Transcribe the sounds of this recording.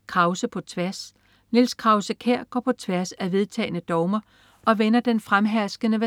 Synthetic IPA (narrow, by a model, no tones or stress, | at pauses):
kʰʁɑ̈ʊsəpʰɒ̽t͡sʰʋæɐs | nilskʰʁɑ̈ʊsəkʰeɐ̰ɡ̥ɒ̰ːpʰɒ̽t͡sʰʋæɐsæʋe̝ð̞ˠt͡sʰɛ̰ːɪnəd̥ɒʊmɐ | ʔɒ̽ʋenɐd̥enfʁamɦæɐsɡ̥ənəʋæ